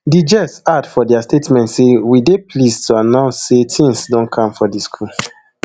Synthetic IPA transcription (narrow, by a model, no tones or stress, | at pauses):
did͡ʒɛsadfɔdiastetmɛ̃ntsewideplistʰuanaʊsetʰĩŋsdɔ̃nkʰãmfɔdiskʰul